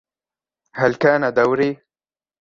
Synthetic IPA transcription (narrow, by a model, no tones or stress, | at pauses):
halkaːnad̪awɾeː